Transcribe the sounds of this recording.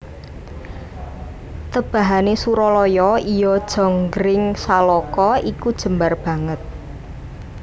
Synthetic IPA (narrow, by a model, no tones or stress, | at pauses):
t̪əb̥a̤ɦanesuɾɔlɔjɔijɔd̥ʒ̥ɔ̤ŋɡɾɪŋsalɔkɔikud̥ʒ̥ə̤mbarb̥ä̤ŋət̪̚